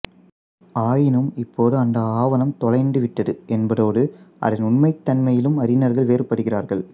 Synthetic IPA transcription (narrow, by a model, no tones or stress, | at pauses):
aːjɪnɯmɪpːoːðɯɐnd̪ɐaːʋɐnɐmt̪ɔlɐɪnɖɯʋɪʈːɐðɯʔɛnbɐðoːɽɯʔɐ̰ðɪnʊɳmɐɪt̪ːɐnmɐjɪlɯmɐɾɪnɐɾɣɐɭʋeːrpːɐɽɯɣɪraːɾɣɐɭ